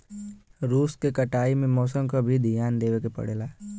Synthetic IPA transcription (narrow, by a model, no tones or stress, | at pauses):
ɾuːskekəʈaːimẽmɔːsəmkabʱid̪ʱijaːnd̪eːʋekepɐ̰ɽeːlaː